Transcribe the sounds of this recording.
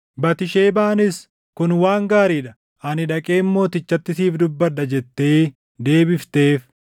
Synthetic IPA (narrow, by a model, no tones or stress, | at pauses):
bɐt̪ɪʃeːbaːnɪs | kʊnwaːŋɡaːɾiːᶑɐ | ɐnɪᶑɐkʼe̞ːmmo̞ːt̪ɪt͡ʃːɐt̪ːɪsiːfd̪ʊbːɐᶑɐd͡ʒɛt̪ːe̞ː | d̪e̞ːbɪft̪e̞ːf